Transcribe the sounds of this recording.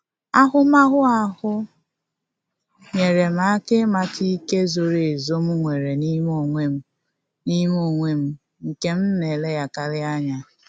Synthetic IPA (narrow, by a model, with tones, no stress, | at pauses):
a˦ɦʊ˦ma˦ɦʊ˦a˨ɦʊ˦ | ɲe˨ɾe˨m̩˦a˦ke˦ma˦ti˦ke˦zo˨ɾe˨zo˦m̩˦ŋʷe˨ɾe˨ni˦m˦o˦˨ŋʷe˦m̩˦ | ni˦m˦o˦˨ŋʷe˦m̩˦ | ŋ̩˨ke˦m̩˦ne˨le˦ja˨ka˨lɪ˦a˦ɲa˨